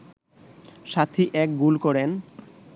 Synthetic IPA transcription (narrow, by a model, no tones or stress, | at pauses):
ʃat̪ʰiʔɛk̚ɡulkɔɾen